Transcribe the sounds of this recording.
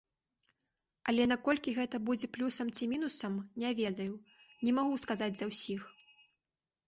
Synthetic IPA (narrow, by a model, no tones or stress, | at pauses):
ɐlʲɛnakɔlʲkʲiɣɛt̪ɐbud͡zʲɛplʲusɐmt͡sʲimʲinusɐmnʲɛvʲɛd̪ɐju | nʲɛmaɣuskazad͡zʲzɐwsʲix